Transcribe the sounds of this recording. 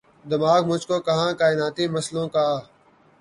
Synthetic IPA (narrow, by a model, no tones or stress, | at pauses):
d̪ɪmaːɡmʊd͡ʒʱkoːkɐɦãːkaːɪnaːt̪iːməslõːkaː